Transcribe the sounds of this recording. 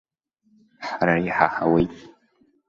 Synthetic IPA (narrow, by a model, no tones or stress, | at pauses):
ħaɾaiħaħa̰waj